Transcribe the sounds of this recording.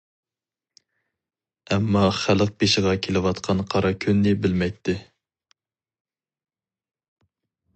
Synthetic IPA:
ɛmːɑχæləq̚pʰeʃɪʁɑkʲʰelɪwɑt̪qʰɑnqʰɑɾɑkʲʰynːɪbɪlmɛjt̪ʰːɪ

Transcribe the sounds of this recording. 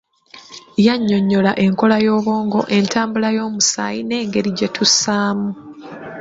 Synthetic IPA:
jaɲːo̞ɲːo̞laʔe̞ŋko̞lajo̞ːβo̞ːŋɡo̞̰ʔe̞ntʰaːmbulajo̞ːmusa̰jine̞ːŋɡe̞ɾiɟe̞tʰusaːmu

